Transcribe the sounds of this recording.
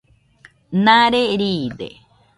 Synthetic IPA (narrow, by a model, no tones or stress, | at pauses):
naɾeɾiːd̪ḛ